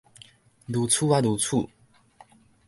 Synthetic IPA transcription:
d̪u˨˦t͡sʰu˥˧wa˥d̪u˨˦t͡sʰu˥˨

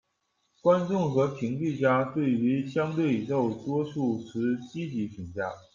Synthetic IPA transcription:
kwa˥nʈ͡ʂʊ˥˩ŋxɤ˧˥pʰi˧˥ŋt͡ɕy˥˩t͡ɕja˥t̪we˥˩ɪy˧˥ɕjɑ˥ŋt̪we˥˩ɪʈ͡ʂo˥˩ʊt̪wɔ˥ʂu˥˩t͡sʰɹ̩˧˥t͡ɕi˥t͡ɕi˧˥ɕʰi˨˩ŋt͡ɕja˥˩

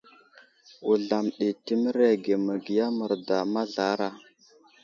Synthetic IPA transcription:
u˨ɮa˨mɗi˨ti˦mə˦ɾe˦ɡe˨mə˨ɡi˨ja˦mə˨ɾda˨ma˦ɮa˨˦ɾa˦

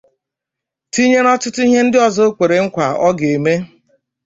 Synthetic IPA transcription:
ti˦ɲe˦nɔ˦t͡ʃɪ˦tʊ˦i˦ɦe˦n̩˦dɪ˦ɔ˦zɔ˦kʷe˨ɾe˨ŋ̩˦kʷa˨ɔ˦ɡe˨me˦

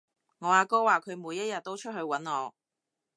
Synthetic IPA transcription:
ŋɔː˨˧aː˨˧kɔː˥waː˨kʰɵ˨˧ɥmuː˨˧jːɐ˥jɐ˨t̚t̪ːo˥wt͡ʃʰɵ˥t̚ɦɵ˧ɥwɐ˨˥nŋɔː˨˧

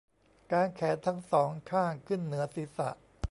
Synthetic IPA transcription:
kaː˧nkʰɛː˩˦nt̪ʰa˦˥ŋsɔː˩˦ŋkʰaː˥˩ŋkʰɯ˥˩nːɯ˩˦ɐsiː˨˦sa̰˨˩ʔ

